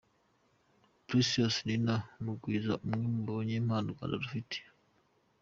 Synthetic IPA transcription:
pɾisiosninanukwiːzaʔumŋemuboɲeːmhaːnduka̰nda̰ɾufite̥

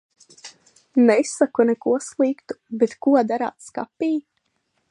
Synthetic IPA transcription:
nɛisakunɛkuɔslˠiːkt̪u̥bet̪kuɔd̪aɾa̰ːt̪ska̰piː

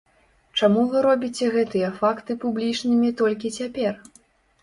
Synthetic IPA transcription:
t͡ʂamuvɨɾɔbʲit͡sʲɛɣɛt̪ɨjɐfakt̪ɨpublʲit͡ʂnɨmʲit̪ɔlʲk̬ʲit͡sʲapʲɛr

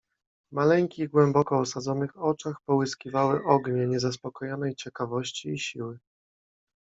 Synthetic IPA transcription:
malɛŋʲkʲiɣɡwɛmbɔkɔːsad̪zɔnɘxɔt͡ʂaxpɔwɘskʲivawɘʔɔɡɲɛɲɛzaspɔkɔjɔnɛjt͡ɕɛkavɔɕt͡ɕiːɕiwɘ

